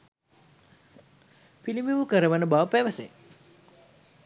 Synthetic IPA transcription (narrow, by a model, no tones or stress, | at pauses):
pilimiʋukəɾəʋənəbaʋəpæʋəse